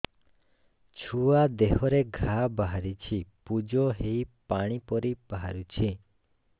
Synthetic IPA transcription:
t͡ʃʰuad̪eɦɔɾeɡʱabaɦaɾit͡ʃʰipud͡ʒɔɦejpaɽ̃ipɔɾib̥aɦaɾut͡ʃʰi

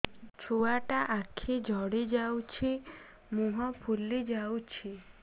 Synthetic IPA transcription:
t͡ʃʰoaʈaʔakʰed͡ʒʱɔɽed͡ʒawt͡ʃʰi | muɦɔpʰuled͡ʒawt͡ʃʰi

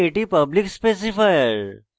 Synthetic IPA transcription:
eʈipəblikspes̬ifajəɾ

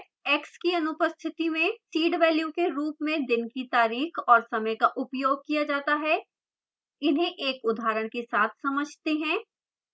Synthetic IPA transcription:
ɛːkskiɐnʊpəst̪ʰɪt̪imẽsiːɖʋɛːljõkeɾuːpmẽd̪ɪnkit̪aːɾiːxɔːɾsɐməjkaʔʊpjoːɡ̚kijad͡ʒaːt̪aɦɛː | ɪnɦẽʔeːkʊd̪ʱɦaːɾəɽ̃kesaːt̪ʰsɐməd͡ʒʱt̪eɦɛ̃ː

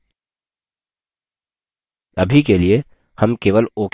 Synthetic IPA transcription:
əbʱikelie | həmkeːʋəloːk

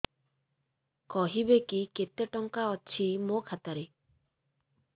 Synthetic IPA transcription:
kɔɦibekiket̪eʈɔŋkaɔt͡ʃʰimokʰat̪aɾe

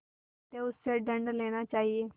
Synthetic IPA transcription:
t̪eʊsːeɖəɳɖleːɽ̃at͡ʃaːɦieː

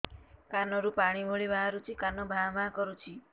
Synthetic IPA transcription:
kanɔɾupaɽ̃imʱoɭibʱaɦaɾut͡ʃʰikanɔbʱabʱãkɔɾut͡ʃʰi

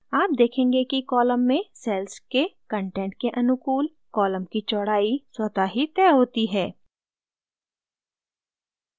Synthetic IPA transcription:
aːp̚d̪eːkʰẽːŋɡekikɔːləmːẽsɛːlskekə̃ɳʈẽːɳʈ̚keʔɐnʊkuːl | kɔːləmkit͡ʃɔːɽaːiswɐd̪aɦit̪ɛːɦoːt̪iɦɛː

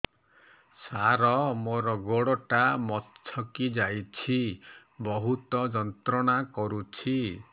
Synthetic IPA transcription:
saɾɔmoɾɔɡɔɽɔʈamɔt͡ʃʰɔkid͡ʒajt͡ʃʰi | bɔɦut̪ɔd͡ʒɔnt̪ɾɔɽ̃akɔɾut͡ʃʰi

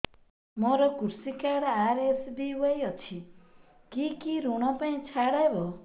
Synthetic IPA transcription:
mɔɾɔkuɾsikaɾaɾesdiuajɔt͡ʃʰi | kikiɾuɽ̃ɔpaĩt͡ʃʰaɽajbɔ

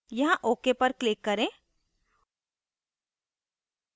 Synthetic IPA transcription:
jɐɦãʔoːkepɐɾklɪkːɐɾẽː

